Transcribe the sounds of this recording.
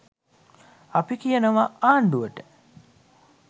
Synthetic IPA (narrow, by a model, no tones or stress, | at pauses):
apikijənəʋaaːɳɖuʋəʈə